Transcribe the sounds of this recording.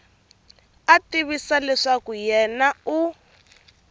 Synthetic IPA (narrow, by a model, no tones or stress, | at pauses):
atiβisalɛʂakujɛnau